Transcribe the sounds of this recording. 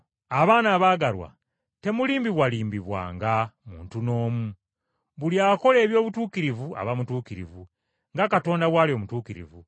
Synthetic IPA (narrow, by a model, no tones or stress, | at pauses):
aβaːnaβaːɡaɾwa̰ | te̞muliːmbiβwaliːmbiβwa̰ːŋɡamuːntuno̞ːmu | βuljaːko̞le̞ːβjo̞ːβutuːkiɾivua̰βamutuːkiɾḭvu | ŋɡakato̞ːndaβwaːlio̞mutuːkiɾḭvu